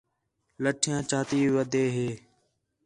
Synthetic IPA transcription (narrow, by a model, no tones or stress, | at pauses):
ləʈʰɪjãːt͡ʃaːt̪iːʋiʋəd̪eːɦeː